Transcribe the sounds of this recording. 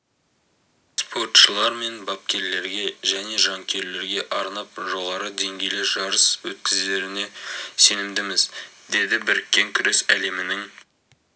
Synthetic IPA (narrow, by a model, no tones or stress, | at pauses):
spʰo̞rt̪ʃəlˠɑɾme̞nbɑp̚kʲe̞ɾle̞ɾɡʲe̞ʒæne̞ʒɑŋkʲʰe̞ɾle̞ɾɡʲe̞ʔɑɾnɑp̚ʒo̞ʁɑɾəd̪e̞ŋɡʲe̞jlɪʒɑɾəswɵt̪kʲɪze̞ɾɪne̞se̞nɪmd̪ɪmɪzd̪e̞d̪ɪbɪɾɪkʲːe̞ŋkʲʰʏɾe̞sæle̞mɪnɪŋ